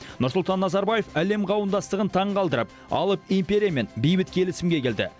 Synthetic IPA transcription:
nʊɾsʊlˠt̪ɑnːɑzɑɾbaje̞fæle̞mqʰɑwənd̪ɑst̪əʁənt̪ʰɑɴqɑlˠd̪əɾəp̚ | ɑ̰lˠəpimpʲeɾʲijame̞nbijbɪt̪kʲʰe̞lɪsɪmɡʲe̞kʲe̞ld̪ɪ̰

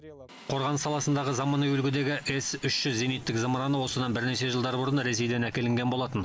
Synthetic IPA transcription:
qʰo̞ɾʁɑnəsːɑlˠɑsənd̪ɑʁəzɑmɑnɑjɵlɡʲɪd̪e̞ɡʲɪʔe̞sʏʃʒʏzːenijt̪ːɪkzəmɾɑnəwo̞səd̪ɑnbɪɾne̞ʃe̞ʒəlˠd̪ɑɾbʊɾənɾe̞sejd̪e̞nækʲe̞lɪŋɡʲenbo̞lˠɑt̪ən

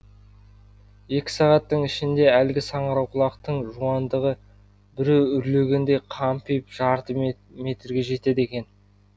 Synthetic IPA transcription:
je̞kʲɪ̥sɑʁɑt̪ːəɴɪʃɪnd̪e̞ælɡʲɪsɑɴəɾɑwqʰʊlˠɑqt̪əɴʒuɑnd̪əʁə | bɪɾewʏɾle̞ɡʲe̞nd̪e̞jqʰɑmpijpʒɑɾt̪ə | me̞t̪ɾɡʲe̞ʒe̞t̪e̞d̪e̞kʲe̞n

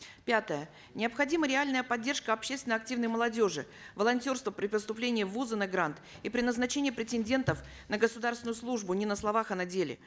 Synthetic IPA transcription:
pʲat̪əjə | nʲɪəpxɐdʲiməɾʲɪalʲnəjəpɐdʲːe̞rʂkəɐpɕːest̪ʲɪnəɐk̚tʲivnəjməlˠɐdʲo̞ʐɨ | vəlˠɐnʲtʲo̞rst̪vəpɾʲɪpəst̪ʊplʲenʲɪjəvuzənɨɡɾant̪ | ipɾʲɪnəznɐt͡ɕenʲɪjəpɾʲɪtʲɪnʲdʲe̞nt̪əf | nəɡəsʊd̪arsvʲnʊjʊslˠuʐbʊnʲɪnəslˠɐvaxɐnɐdʲelʲɪ̰

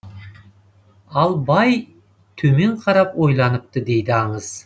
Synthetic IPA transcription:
ɑlˠbɑj | t̪ʰɵmeɴqʰɑɾɑpojlˠɑnəp̚t̪əd̪e̞jd̪ɪɑɴəz̥

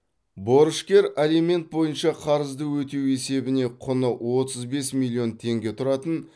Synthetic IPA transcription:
bo̞ɾəʃkʲe̞ɾalime̞nt̪̚bo̞jənʃɑqʰɑɾəzd̪əwɵt̪e̞we̞se̞bɪne̞qʰʊnəwo̞t̪əzbe̞smilʲːio̞nt̪ʰe̞ŋɡʲe̞t̪ʰʊɾɑt̪ən

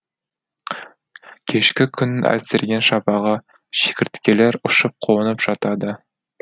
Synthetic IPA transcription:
kʲʰeʃkʲɪkʲʰʏ̆nɪnʔæ̰lsɪɾɡʲenʃɑpɑʁɑ | ʃe̥kʲɪɾt̪kʲeleɾʊʃəp̚qʰoənəpʒ̥ɑt̪ɑd̪ə

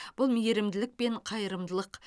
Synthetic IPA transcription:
b̥ʊlˠmijeɾɪmd̪ɪlɪk̚pe̞ɴqʰɑjəɾəmd̪əlˠəq

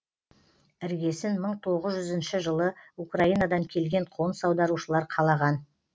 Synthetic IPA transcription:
ɪɾɡʲe̞sɪnməɴt̪ʰo̞ʁəzʒʏzɪnʃɪʒəlˠəukraijnad̪ɑŋkʲʰe̞lɡʲe̞ɴqʰo̞nsɑwd̪ɑɾuʃəlˠɑɾqʰɑlˠɑʁɑn

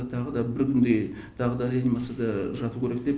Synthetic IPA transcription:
t̪ʰɑʁəd̪ɑbɪɾkʲʰʏnd̪ej | t̪ʰɑʁəd̪ɑd̪janimat̪sɨjad̪ɑʒɑt̪ukʲʰeɾek̚d̪e̞p

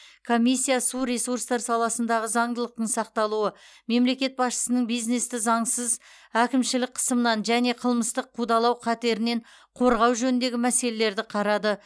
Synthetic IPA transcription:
kʰo̞mʲijsʲːijasuɾesurst̪ɑɾsɑlˠɑsənd̪ɑʁəzɑɴd̪əlˠəq̚t̪əɴsɑq̚t̪ɑlˠuəme̞mle̞kʲe̞t̪̚bɑsʃə̥sənəɴbijzne̞st̪ɪzɑɴsəz | ækʲɪmʃɪlɪk̚qʰə̥səmənɑnʒæne̞qʰəlˠməst̪əqʰːud̪ɑlˠɑwqʰæt̪e̞ɾɪne̞ɴ | qʰo̞ɾʁɑwʒɵnɪnd̪e̞ɡʲɪmæse̞le̞le̞ɾd̪ɪqʰɑɾɑd̪ə

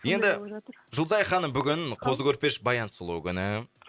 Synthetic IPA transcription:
je̞nd̪ɪʒʊlˠzɑjχɑnːəɴbʏɡʲɪnqʰo̞zəkʲʰɵɾpe̞ʃbɑjɑnsʊlˠukʲʰʏnɪ

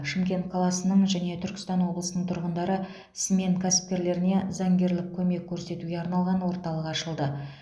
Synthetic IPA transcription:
ʃɪmkʲe̞nt̪̚qʰɑlˠɑsənəɴʒæne̞t̪ʰʏɾkʲɪ̥st̪ɑnwo̞blˠəsənəɴt̪ʰʊɾʁənd̪ɑɾə | ɪsme̞ŋkʲʰæsɪ̥p̚kʲe̞ɾle̞ɾɪne̞zɑŋɡʲe̞ɾlɪk̚kʲʰɵme̞kʲʰːɵɾse̞t̪uɡʲe̞ɑɾnɑlˠʁɑnwo̞ɾt̪ɑlˠəqɑʃəlˠd̪ə

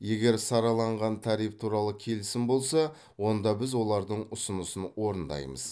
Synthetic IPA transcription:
je̞ɡʲe̞ɾsɑɾɑlˠɑɴʁɑnt̪ʰɑɾijp̚t̪ʰuɾɑlˠəkʲʰe̞lɪsɪnbo̞lˠsɑ | wo̞nd̪ɑbɪzwo̞lˠɑɾd̪əɴʊsʊnəsənwo̞ɾənd̪ɑ̰jmə̰z

